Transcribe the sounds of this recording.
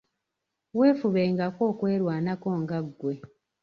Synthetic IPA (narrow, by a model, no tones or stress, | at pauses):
we̞ːfuβeːŋɡako̞ːkwe̞ːɾwaːnako̞ːŋɡaɡːwe̞